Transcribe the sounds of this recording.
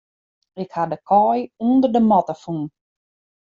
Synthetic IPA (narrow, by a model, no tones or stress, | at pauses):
ɪkhadəkʰɔjuəndərdəmɔtəfun